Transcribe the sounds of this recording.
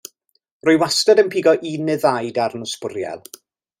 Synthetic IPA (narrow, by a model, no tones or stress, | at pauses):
rʊjwastɛdənpʰiːɡɔʔinɨðajdaɾnʊspʊrja̰lˠ